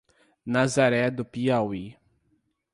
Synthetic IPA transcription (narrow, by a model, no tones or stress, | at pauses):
nazaɾɛd̪ʊpiawi